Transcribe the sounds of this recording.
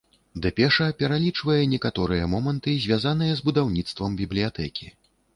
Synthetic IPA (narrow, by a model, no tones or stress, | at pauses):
d̪ɨpʲɛʂɐpʲɛɾalʲit͡ʂvɐjɛnʲɛkat̪ɔɾɨjɐmɔmɐnt̪ɨzʲvʲjazanɨjɐzbud̪awnʲit̪st̪vɐmbʲiblʲijat̪ɛkʲi